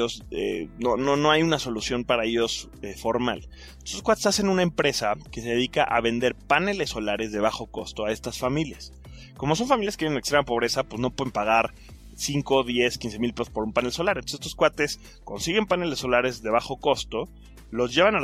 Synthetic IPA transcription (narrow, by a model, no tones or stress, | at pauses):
ozḛnonono̞ajunaso̞lusjo̞mpaɾae̞ʝo̞s | efo̞ɾma̰l | t̪ososkwat̪esase̞nũnaempɾe̞sake̞se̞ðe̞ðikaʔaβe̞nd̪e̞ɾpane̞lesːo̞laɾe̞zðe̞β̞axo̞ko̞st̪o̞ae̞st̪asfamiljas | ko̞mo̞so̞nfamiljaskeajnnekst̪ɾemapo̞β̞ɾe̞sapwezno̞pweðempaɣaɾ | siŋko̞ðje̞skinse̞milpe̞sospo̞ɾumpane̞lso̞laɾent̪oset̪oskwat̪e̞s | ko̞nsiɣe̞mpane̞lesːo̞laɾe̞zðe̞β̞axo̞ko̞st̪o̞ | lo̞zʝe̞βanal